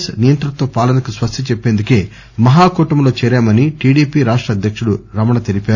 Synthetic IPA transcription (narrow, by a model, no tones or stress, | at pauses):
snijɐnt̪ɐɾɐt̪oːpaːlɐnɐkusʋɐst̪ʰɐt͡ʃepːe̞ːnd̪uke̞ː | mɐɦaːkuːʈɐmlo̞ːt͡ʃɛːɾaːmɐniʈiːɽiːpiːɾaːʂʈɾɐd̪ʱjɐkʂuɽuɾɐmɐɳɐt̪elipaːɾu